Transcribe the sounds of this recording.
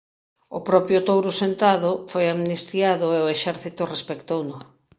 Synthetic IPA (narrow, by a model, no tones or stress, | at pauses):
ʊpɾɔpjʊt̪owɾʊsent̪aðʊfojamnist̪jaðʊeoeʃɛɾθit̪ʊrespekt̪ownʊ